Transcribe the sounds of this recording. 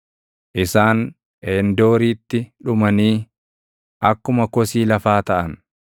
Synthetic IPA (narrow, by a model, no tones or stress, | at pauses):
ʔɪsaːn | eːnd̪oːɾiːt̪ːɪᶑʊmɐniː | ʔɐkːʊmɐkɔsiːlɐfaːt̪ɐʔɐn